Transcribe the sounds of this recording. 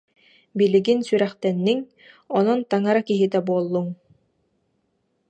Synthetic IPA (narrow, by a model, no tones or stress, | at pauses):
biliɡinsyɾɛχt̪ɛnːiŋ | ɔnɔnt̪aŋaɾakiɦit̪ɛbuɔlˠːuŋ